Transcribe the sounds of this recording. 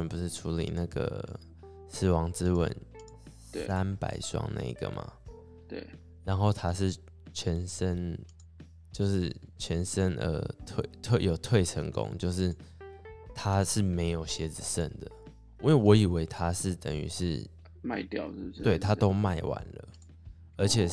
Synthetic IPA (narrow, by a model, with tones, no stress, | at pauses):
ə˦npu˧ʂɻ̩˥˩ʈ͡ʂʰu˧˥lḭ˨˩na˥˩ɡə̰˨˩ | ʂ̩˥˩wɑ˧˥ŋt͡sɻ̩˥wə̰˨˩n | sa˦npa̰˨˩ɪʂwɑ̰˥˧ŋna̰˥˧˩ḭ˨˩ɡ̥ə̰˩mʔa̰˩ | t̪we˥˩ɪ | ɻa˧˦nxo˥˩ʊt̪ʰa˥ʂɻ̩˥˩ | t͡ɕʰɥɛ˧˥nʂə˦˥n | t͡ɕjo˥˧ʊʂɻ̩˥˩t͡ɕʰɥɛ˧˥nʂə˥nʔə̰˧˩t̪ʰwe˥˩ɪt̪ʰwe˥˩ɪjo˨˩ʊt̪ʰwe˥˩ɪʈ͡ʂʰə˧˥ŋkʊ̰˦ŋt͡ɕjo˥˧ʊʂɻ̩˥˩ | t̪ʰa˦ʂɻ̩˥˩me˧˥ɪjo˨˩ʊɕjɛ˧˥t͡sɹ̩˨˩ʂə˥˨˩nd̪ə˩˦ | e˥˩wɔ˧˥i˨˩we˧˥ɪt̪ʰa˦ʂɻ̩˥˩t̪ə˨˩ŋy̰˧˥ʂɻ̩˥˩ | ma˥˧t̪jɑ˥˨ʊ˥t̪we˥˩ɪt̪ʰa˦t̪o˦˥ʊma˥˨ɪwa̰˧˦nlə̰˩ | ə˞˧˥t͡ɕʰjɛ˨˩